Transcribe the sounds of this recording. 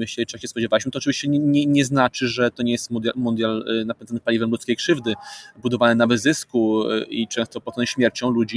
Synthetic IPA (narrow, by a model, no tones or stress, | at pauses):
mɘɕlɛit͡ʂjakɕɛspɔd͡ʑɛvawiɕmɘt̪ɔt͡ʂɨvʲiɕt͡ɕɛɲɛɲɛɲɛznat͡ʂɘʐɛt̪ɔɲɛjɛst̪mud̪ʲjamund̪jalnapʲɛnd̪anpalʲivɛmlut̪skʲejkʂɘvd̪ɘbud̪ɔvanɘnavɘzɘskuit͡ʂɛ̃w̃st̪ɔpɔt̪ːɛ̃ɕmʲjɛɾt͡ɕɔ̃w̃lud͡ʑi